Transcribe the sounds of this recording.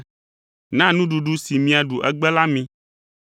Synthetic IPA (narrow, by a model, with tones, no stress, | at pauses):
nã˦nũ˦ɖu˨ɖu˦si˨mĩ˨a˨ɖu˨ʔɛ˦ɡ͡bɛ˦la˦mĩ˦